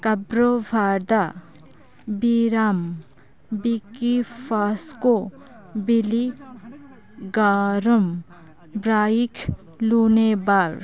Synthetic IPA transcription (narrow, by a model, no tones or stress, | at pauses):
kɐbɾoʋʱaːɾd̪a | biːɾaːm | bikifaːsko | bili | ɡaːɾəm | bɾaːikʰ | luːnebaːɾ